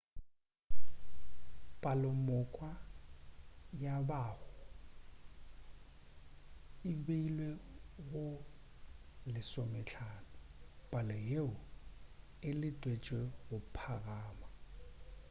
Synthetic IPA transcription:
pʼalʊmʊkʼwa | jabaːhʊ | ɪbeilweɣʊ | lɪsɔmɛt͡ɬʰaːnɔbʼalɔjeʊ | ɪlɪtʼwet͡ʃʼweɣʊpʰaɣaːma

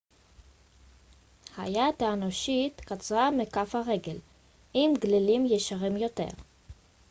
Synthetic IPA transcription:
ha̰jat̪anoʃit̪kat͡sʁamekafhaʁe̞ɡel | ʔimɡlilimjeʃaʁimjo̞t̪ḛʁ

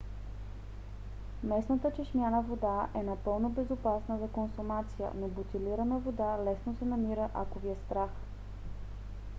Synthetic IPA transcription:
mɛsnət̪ət͡ʃɛʃmʲjanəvod̪aʔɛnɐpɤlˠnobɛzopasnəzɐkonsʊmat̪sijə̰nobot̪iliɾənəvod̪alɛsnosɛnɐmiɾəʔakoviɛst̪ɾax

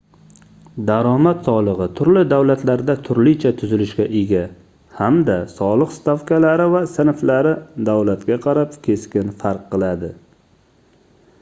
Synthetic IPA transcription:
d̪aɾɒmat̪sɒlˠɨʁɨt̪ʰʊɾlɪd̪awlat̪ʰlaɾd̪at̪ʰʊɾlɪt͡ʃʰat̪ʰʊzɪlɪʃkʲaʔɪɡʲa | hamd̪asɒlˠɨqst̪afkʲalaɾɪvasɪnflaɾɪd̪awlat̪kʲaqʰɑɾapkʲʰe̞skʲɪnfaɾqʰːɨlˠad̪ɪ

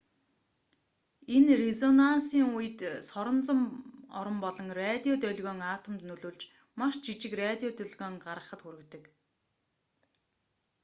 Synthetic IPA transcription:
enrezɔnansiːŋujɘ̆t̪sɔɾɞ̆nt͡sə̆mɔ̰ɾɞ̆mpɔɮɞ̆ŋrat̪ʲiɔt̪œɮɣɔːŋaːt̪ʰə̆mt̪nɵɮoːɮt͡ɕ | maʃt͡ɕit͡ɕɪ̆krat̪ʲiɔt̪œɮɣɔːŋɢaɾʁə̆χə̆t̪xuɾɘ̆kt̪ɵ̆k

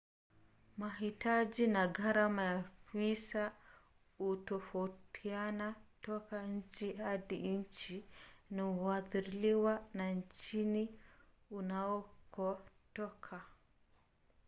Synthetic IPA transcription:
maɦitad͡ʒinaɡaɾamajapisa | utɔfautʰianatɔkaɲ̩t͡ʃihaðiɲ̩t͡ʃiniaðiɾiliwanaɲt͡ʃini | unaɔkɔtɔkʰa

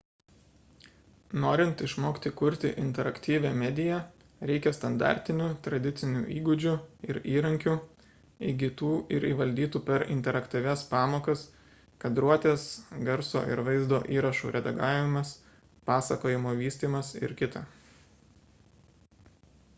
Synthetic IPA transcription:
noːɾʲɪnt̪ɪʃmoːkʲt̪ʲɪkʊɾʲt̪ʲɪʔɪnʲt̪ʲɛɾɐkt̪ʲiːʋʲɛːmʲɛd̪ʲɪjɛ | ɾʲɛɪkʲɛst̪ɐnd̪ɑ̰ːˑɾʲt̪ʲɪnʲuːt̪ɾɐd̪ʲɪt̪sʲɪnʲṵːʔiːɡʊd͡ʒʲʊɪɾiːɾɐŋʲkʲu | iɡʲɪt̪uːʔɪɾiːʋɐlʲd̪ʲiːt̪uːpʲɛɾɪ̰nʲt̪ʲɛɾɐkt̪ʲiʋʲɛspɑːmoːkɐs | kɐd̪ɾuɔt̪ʲeːsɡɐɾso̰ːʔɪ̰ɾʋɐɪzd̪oːʔiːɾɐʃṵːɾʲʔɛd̪ɐɡɑːʋʲɪmɐs | pɑːsɐkoːjɪmoːʋʲiːsʲt̪ʲiːmɐsɪ̰ɾkʲɪt̪ɐ̰

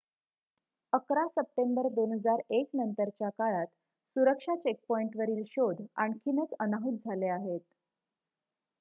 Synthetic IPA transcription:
əkɾasəp̚ʈembəɾd̪onɦəd͡zaɾeknənt̪əɾt͡ɕjakaɭat̪ | suɾəkʂat͡ɕek̚pɔiɳʈʋəɾiːlɕod̪ʱa̰ɳkʰinət͡sənaɦut̪̚d͡zʱaleaɦet̪

